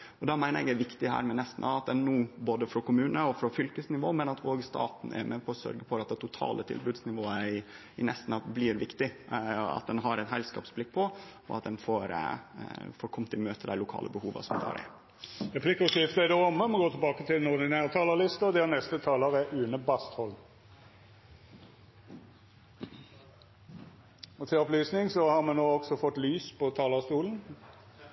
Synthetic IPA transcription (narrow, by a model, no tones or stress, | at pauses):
ɔd̪ɑmæɪnəɾɛɡd̪æɪʋɪkt̪ɪɦæ̰ːɾmɛnɛst̪n̩ɑɑt̪̚d̪ɛnːuːboːd̪əfɾɔkʊmʉːnəɔfɾɔfʏlkəsnɪʋoːmɛnɑt̪ʰoːɡst̪ɑ̰ːt̪n̩æ̰mɛpʰɔɔsœ̰ɾɡəfʰɔɾɑt̪̚d̪ɛɪt̪ʰʊt̪ʰɑ̰ːlʔət̪ʰɪ̰lbʉːd̪snɪʋoːəɪ | ɪnɛst̪n̩ɑblɪːɾʋɪkt̪ɪɑ̰t̪̚d̪ɛnɦɑɾɛɪt̪ɦɛlskɑ̰ːpsblɪk̚ːpʰɔɔ̰ɑt̪d̪ɛnfɔɾ | fɔɾkʰɔmːt̪ʰɪmøːt̪ʰəd̪æɪlʊkʰɑ̰ːlə̰bəhuːʋə̰sɔmd̪ɑ̰ːɾæ̰ | ʁɛpʰlɪkʊsɪft̪əæɪd̪əɔmːəmɛɡoːt̪ʰɛbɑːkət̪ʰɪlnɔɾd̪ɪnæːʁt̪ʰɑːləʁlɪst̪əɔd̪ɛænɛst̪ət̪ʰɑːləʁəʔʉːnəbɑst̪hɔl | ɔt̪ʰɪlɔplyːsnɪŋsɔhɑʁmɛnoːɔɡsɔfɔt̪ːlyːspʰɔt̪ʰɑːləʁst̪uːln̩